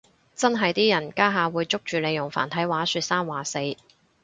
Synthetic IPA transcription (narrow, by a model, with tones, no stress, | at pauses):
t͡sɐ˥nɦɐ˨jt̪iː˥jɐ˨˩nkaː˥ɦaː˨˧wuː˨˧jt͡sʊ˥k̚t͡ʃyː˨le˨˧jʊ˨˩ŋfa̰ː˨˩nt̪ʰɐ˨˥jwaː˨˥sy˧t̚saː˥nwaː˨˩se˧j